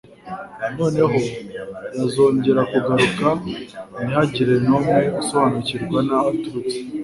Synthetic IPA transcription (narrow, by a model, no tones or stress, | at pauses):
no̞ːne̞ɦo̞jazo̞ːɲɟe̞ɾakuɡaɾukanihaɟiɾe̞nomŋeuso̞βanuciɾɡwanatuɾuti̥